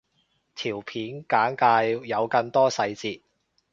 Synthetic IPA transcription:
t̪ʰiː˨˩wpʰiː˨˥nkaː˨˥nkaː˧jːɐ˨˧wkɐ˧ŋt̪ɔː˥sɐ˧jt͡siː˧t̚

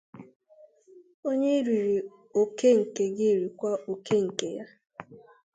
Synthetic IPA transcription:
o˦ɲe˦i˦ɾi˨ɾi˨ | o˨ke˦ŋ̩˨ke˨ɡɪ˦˨ɾi˨kʷa˦o˨ke˦ŋ̩˨ke˨ja˦

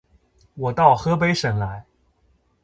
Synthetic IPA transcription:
wɔ˨˩t̪ɑ˥˩ʊxɤ˥p̬e˧˥ɪʂə˨˩ŋla˧˥ɪ

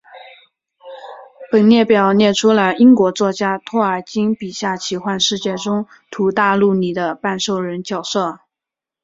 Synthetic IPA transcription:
pə˨˩nnjɛ˥˩pjɑ˨˩ʊnjɛ˥˩ʈ͡ʂʰu˥lə˧i˥ŋkwɔ˧˥t͡swɔ˥˧t͡ɕja˥t̪ʰwɔ˥˩ə˞˨˩t͡ɕi˥ŋpi˨˩ɕja˥˩t͡ɕʰi˧˥xwa˥˧nʂɻ̩˥˧t͡ɕjɛ˥˩ʈ͡ʂʊ˥ŋ | t̪ʰu˧˥t̪a˥˧lu˥˩ni˨˩d̪ə˧˦pa˥˧nʂo˥˩ʊɻə˧˥nt͡ɕjɑ˨˩ʊʂɤ˥˩

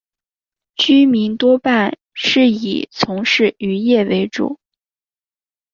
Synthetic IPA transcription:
t͡ɕy˥mi˧˥nt̪wɔ˥pa˥˧n | ʂɻ̩˥˩ḭ˨˩t͡sʰʊ˧˥ŋʂɻ̩˥˩y˧˥jɛ˥˩we˧˥ɪʈ͡ʂṵ˨˩˦

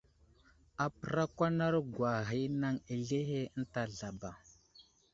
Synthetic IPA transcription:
a˨pə˨ɾa˦kʷa˦na˦ɾɡwa˨ɦi˨˦na˦ŋe˨ɮe˦ɦe˦ə˦n̩˦ta˨ɮa˨ba˨

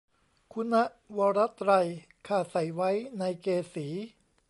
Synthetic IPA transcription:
kʰu˧nːa˦˥ʔ | wɔː˧ɾa˦˥t̪ɾa˧j | kʰaː˧˩sa˩˦jwa˦˥jna˧jkeː˧siː˩˦

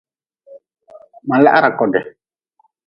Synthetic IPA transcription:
ma˨la̰˦ʔa̰˦ɾa˨kɔ˨dɛ˨

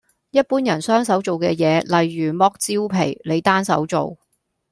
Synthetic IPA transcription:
jɐ˥t̚puː˥njɐ˨˩nsœː˥ŋsɐ˨˥wt͡so˨wkɛ̰ː˧jɛː˨˧lɐ˨jːyː˨˩mɔː˧˥k̚t͡siː˥wpʰe˨˩jle˨˧jt̪aː˥nsɐ̰˨˥wt͡so̰˨w

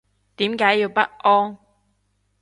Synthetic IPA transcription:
t̪iː˨˥mkaː˨˥jiː˧wpɐ˥t̚ʔɔː˥ŋ

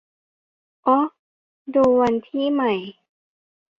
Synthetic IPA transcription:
ʔɔː˦˥ | duː˧wa˧nt̪ʰiː˧˥˨ma˧˩j

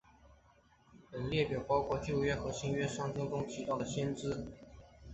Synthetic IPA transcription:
pə˨˩nljɛ˥˩pjɑ˨˩ʊpɑ˥ʊkʰwɔ˥˧t͡ɕjo˥˧ʊɥɛ˥xɤ˧˥ɕi˥ŋɥɛ˥ʂɑ˥ŋtʰɛ˥ŋʈ͡ʂʊ˥ŋt̪ʰi˧˥t̪ɑ˥˩ʊd̪ə˩ɕjɛ˥nʈ͡ʂɻ̩˥

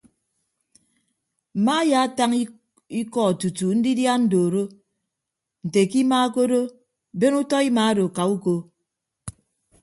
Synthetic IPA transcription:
m̩˨ma˦ja˨˦ta˦ŋ˦ | i˦kɔ˨tu˨tu˨n̩˦di˦dja˦n̩˦do˨ɾo˦ | n̩˨te˨ki˦ma˦ko˦ɾo˦ | be˦nu˦tɔ˦i˦ma˨˦do˨ka˨u˦ko˦

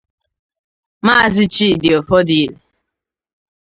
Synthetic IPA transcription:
ma˦˨zɪ˦t͡ʃi˦˨dɪ˨o˨fɔ˦di˨li˨

